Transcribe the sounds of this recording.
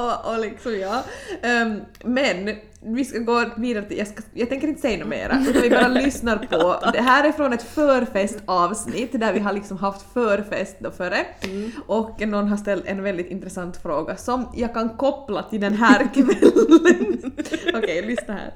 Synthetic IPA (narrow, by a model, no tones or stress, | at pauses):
ɔʔɔlɪksɔmjɑː | mɛn | vɪskaɡoːviːd̪aɾət̪ɪjaskajɑːɡt̪ʰɛŋkəɾɪnt̪ə̥sɛjnʉːmḛːɾʔa̰ʉ̟ːt̪anvɪbɑːɾalʏsnaɾpʰɔd̪ɛɦæːɾɪfɾoːnɛt̪fœːɾfɛst̪ʰɑːvsnɪt̪ːd̪æɾvɪɦaɭɪksɔmɦaft̪fœːɾfɛ̰st̪̚d̪ɔfœɖɛʔɔkːnɔnːɦaʂt̪ɛlt̪ɛ̰nvɛld̪ɪt̪ɪnt̪ɾɛsant̪fɾoːɡasɔmjʔɑːɡkankʰɔpːlat̪ʰɪld̪ɛnɦæːɾkʰvɛlə | ɔkʰɛjlʏsnaɾhæ̰ːɾ